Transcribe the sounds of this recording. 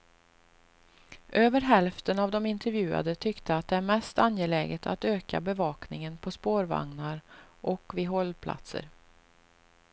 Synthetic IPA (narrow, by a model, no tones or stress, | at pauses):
ʔøːvəɾɦɛlft̪ənavd̪ɔmɪnt̪ʰɛɾvjʉ̟ːa̰d̪ət̪ʰʏkt̪əat̪̚d̪ɛæɾmɛst̪anjeːlɛːɡət̪ʰat̪øːka̰bɛvɑːknɪŋənpʰɔspoːɾva̰ŋnaɾʔɔkvɪɦɔlːpʰla̰t̪sə̰ɾ